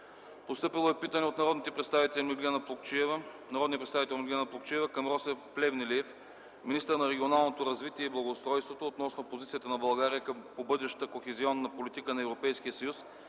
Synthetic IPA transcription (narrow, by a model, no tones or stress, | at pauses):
post̪ɤpilˠoɛpit̪ənɛot̪nɐɾɔd̪nit̪ɛpɾɛt̪st̪avit̪ɛlʲmiɡlʲianpˠokt͡ʃiɛvnɐɾɔd̪nijəpɾɛt̪t̪avit̪ɛlʲˠmʲiɡlʲanɐplˠokt͡ʃiɛvɐkɐmɾɔsɛfplʲɛvnɛliɛf | minist̪əɾnɐɾɛɡʲionalˠnot̪oɾɐzvit̪iɛiblˠɐɡoːst̪ɾɔjst̪vot̪oːt̪nɔsnopozit̪siət̪ənɐbɐlˠɡaɾijəkəmpobɤd̪ɛʃə̥t̪əkoxɛziɔnːɐpolit̪ikənɐɛvɾopɛjsk̟iəsɐjus